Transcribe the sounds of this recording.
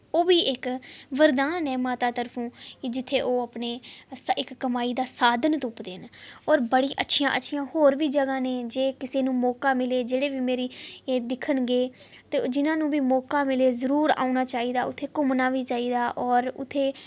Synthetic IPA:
oːʋiːʔɪkʋəɾd̪aːnɛːmaːt̪aːt̪əɾpʰũːkɪd͡ʒɪt̪ʰːeːʔoːəpɳeːsɪkːəmaːiːd̪aːsaːd̪ʱənt̪ʊːpd̪eːnɔːɾbəɽiːʔətːʃʰijã̰ːʔətːʃʰijãːhoːɾʋiːd͡ʒəɡãːneːd͡ʒeːkɪseːnũːmɔːkaːmɪleːd͡ʒeːɽeːʋiːmeːɾiːed̪ɪkʰəɳɡeː | t̪ed͡ʒɪnãːnũːʋiːmɔːkaːmɪleːzəɾuːɾa̰ːʊnaːt͡ʃaːiːd̪aːʊt̪ʰːeːkʊmnaːʋiːt͡ʃaːiːd̪aːʔɔːɾʊ̰t̪ʰːeː

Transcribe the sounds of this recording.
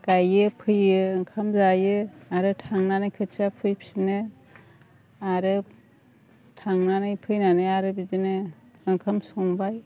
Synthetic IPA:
kajɯpʰɯjɯɯŋkʰamzajɯaɾɯtʰaŋnanɯjkʰɯt͡ʃapʰɯjpʰsinɯ | aɾɯ | tʰaŋnanɯjpʰɯjnanɯjaɾɯbidinɯ | ɯŋkʰamsɔŋbaj

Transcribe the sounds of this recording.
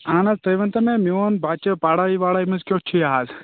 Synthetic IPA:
aːnɐzt̪ɐjʋɐnt̪ɐmẽmioːnbʱaːt͡ʃepaːɽaiʋaːɽaimɐzkʲoːt͡ʃʰiaɦaːz

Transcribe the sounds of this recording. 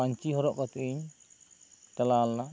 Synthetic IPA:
aɲt͡ʃiɦɔɾɔʔkɔt̪uiɲ | t̪alala

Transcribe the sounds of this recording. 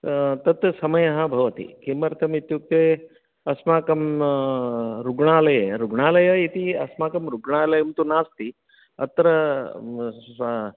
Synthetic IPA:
t̪ɐt̪sɐmɐjɐɦabʱɐʋɐt̪ḭkemɐɾt̪ʰɐmit̪juk̚t̪ɐj | ɐsmaːkɐm | ɾuɡɳaːlɐjeɾuɡɳaːlɐjɐit̪iɐsmaːkɐmɾuɡɳaːlɐjɐmt̪unaːst̪i | ɐt̪ɾɐ

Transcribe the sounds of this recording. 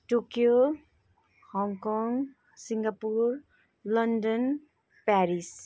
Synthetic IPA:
ʈokijo | hɔŋkɔŋ | siŋɡapuɾ | lʌndən | pɛɾis

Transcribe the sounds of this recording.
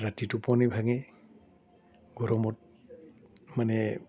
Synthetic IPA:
ɹatitupɔnibʱaɡɛ | ɡɔɹɔmɔt̚ | manɛ

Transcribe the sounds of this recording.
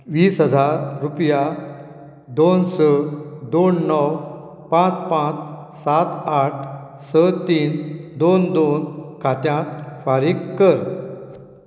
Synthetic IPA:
ʋiːsɦəd͡zaɾɾupja | d̪onsəd̪onːəw | pãt͡spãt͡s | sat̪aʈʰ | sət̪iːnd̪ond̪onkʰat̪jãt̪faɾikkːəɾ

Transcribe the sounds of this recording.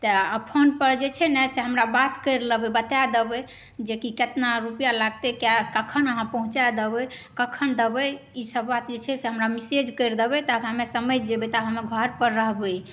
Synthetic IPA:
t̪əəpʰonpəɾd͡ʒet͡ʃʰɛnɛseɦəmɾabat̪kəɾləbɛbət̪jad̪ebɛ | d͡ʒekiket̪naɾupjalaɡt̪ekjakəkʰənəɦãpəɦũt͡ʃad̪ebɛkəkʰənd̪əbɛ | isəbːat̪d͡ʒet͡ʃʰɛseɦəmɾamised͡ʒkəɾd̪ebɛt̪abɦamesəməjd̪ebɛt̪abʱɦameɡʱəɾpəɾːəɦbe

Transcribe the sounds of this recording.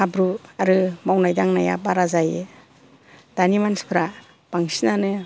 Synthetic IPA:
abɾuaɾɯmawnajdaŋnajabaɾazaje | d̥animanspʰɾa | b̥aŋsinanɯ

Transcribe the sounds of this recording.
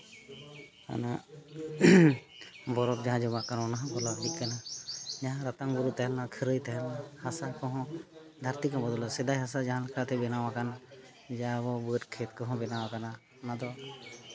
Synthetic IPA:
ka̰na | bɔɾɔp̚d͡ʒaɦãd͡ʒɔbakannaɦãkɔlabikkanad͡ʒaɦãɾat̪aŋbuɾut̪aɦalnakʰəɾəjt̪aɦalnahasakɔɦɔ̃ | d̪ʱaɾt̪ikɔbɔd̪ɔlɔsɛd̪ajɦasad͡ʒaɦãlɛkʰat̪ɛbɛnawakana | d͡ʒabɔbətkʰet̪kɔɦɔ̃bɛnawakana | nad̪ɔ

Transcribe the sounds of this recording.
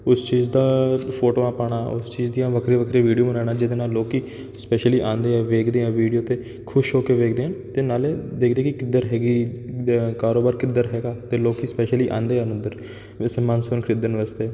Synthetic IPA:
ʊst͡ʃiːzd̪aːpʰoːʈoːaːpaːɽ̃aːʊ̰st͡ʃiːzd̪ijãːʋəkʰɾeːʋəkʰɾeːʋiːɖijoːmənaːɳaːd͡ʒɪd̪eːnaːlːoːkiː | spɛːʃəliːʔãːnd̪eːɛ̃ːʋeːkʰd̪eːɛ̃ːʋiːɖijoːt̪eː | kʰʊʃɦoːkeːʋeːk̚d̪eːɦənt̪eːnaːleːd̪eːkʰd̪eːkɪkɪd̪əɾɦɛːɡiː | kaːɾoːbaːɾkɪd̪əɾɦɛːɡaːt̪eːloːkiːspɛːʃəliːʔã̰ːnd̪eːɛnʊd̪əɾ | səmãːnsoːnkʰɾɪd̪ənʋəst̪eː

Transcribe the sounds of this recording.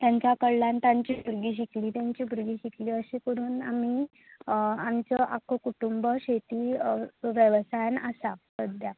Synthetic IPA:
t̪jaɲt͡ɕjakəɭːant̪jãɲt͡ɕiːbʱuɾɡiːɕ̬ikliːt̪jaɲt͡ɕiːbʱuɾɡiːɕikliːəɕiːkəɾuːnami | amt͡səʔakəkuʈumbəɕet̪iːʋjəʋsajnəsasəd̪ʱja

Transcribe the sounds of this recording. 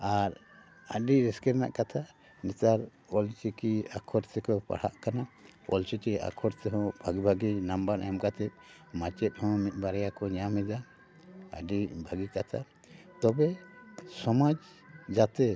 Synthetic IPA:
aɾ | aɖiɾiskɛɾna̰ʔkat̪ʰa | nit̪aɾ | ɔlt͡ʃikiakʰɔɾt̪ʰɛkɔpa̰ɽ̤a̰ʔkanaɔ̰lt͡ʃit͡ʃia̰kʰɔɾt̪ɛɦɔ̃bʱaɡibʱaɡinambaɾna̰jɔmkat̪ɛt̚ | mat͡ʃɛt̪̚hɔ̃mit̪̚ˀbaɾjakɔɲamɛd̪a | ə̰ɖibʱaɡikat̪ʰa | t̪ɔbɛsɔmad͡ʒ | d͡ʒat̪ɛ

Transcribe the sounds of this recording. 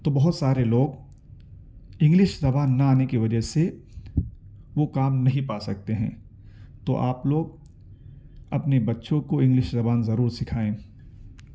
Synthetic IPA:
t̪oːbɐɦʊt̪saːɾeloːɡ | ɪ̃ŋɡlɪʃzɐbaːnːɐaːnekiʋɐd͡ʒəɦse | ʋokaːmnɐɦĩpaːsɐk̚t̪eɦɛ̰̃ː | t̪o̰ːʔaːploːɡ̚ | ɐpnebɐtːʃõkoɪ̃ŋɡlɪʃzɐbaːnzɐɾuːɾsɪkʰaːẽː

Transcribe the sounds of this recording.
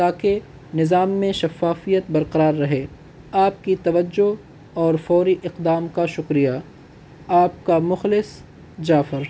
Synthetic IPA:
t̪aːke | nɪzaːmːẽʃɐfaːfijət̪bɐɾqɐɾaːɾːɐɦeː | aːp̚kit̪ɐʋəd͡ʒːo | ɔːɾfɔːɾiʔɪqd̪aːmkaʃʊkɾija | aːp̚kamʊxlɪs | d͡ʒaːfɪɾ

